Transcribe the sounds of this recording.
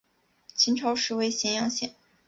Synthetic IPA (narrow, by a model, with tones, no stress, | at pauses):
t͡ɕʰi˧˥nʈ͡ʂʰɑ˧˥ʊʂɻ̩˧˥we˧˥˩ɪɕjɛ˧˥njɑ˧˥ŋɕjɛ˨˩˦n